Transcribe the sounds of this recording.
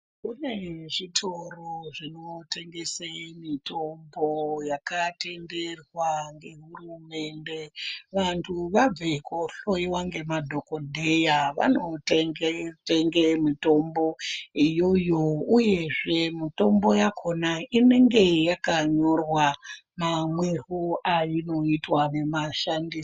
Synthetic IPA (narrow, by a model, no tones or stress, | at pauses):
kune̞ʐitʰoroʐino̞te̞ŋɡesemito̞mbojakate̞nde̞rwaŋɡe̞ɦurume̞nde̞ʋantʰuʋab͡vekoɬo̞iwaŋɡe̞madʱokodʱejaʋa̰noteŋeteŋɡemito̞mbo̞ijo̞jo̞uje̞ʐe̞mito̞mbo̞jakʰo̞naine̞ŋɡe̞jakaɲo̞rwa | mamweɦuaino̞itwane̞maʃandis